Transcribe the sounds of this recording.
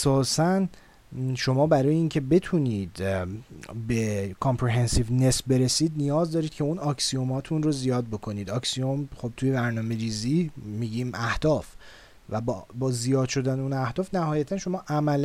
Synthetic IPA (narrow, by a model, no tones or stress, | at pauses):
sɒːsæn | ʃo̞mɒːbæɾɒːjeiːŋcʰe̞be̞t̪ʰuniːd̪ | be̞kʰompʰɾiɦensivne̞sbeɾesiːd̪̚nijɒːzd̪ɒːɾiːd̪̚cʰe̞unɒːkʰsio̞mɒːt̪ʰunrozijɒːd̪̚bo̞kʰo̞niːd̪ɒːksiomχob̚t̪ʰuje̞bæɾnɒːme̞ɾiːzimiɟiːmʔæhd̪̥ɒːf | væbbɒːzijɒːd̪̥ʃo̞d̪æneunæhd̪ɒːfnæhɒːjæt̪ʰænʃo̞mɒːʔæmæl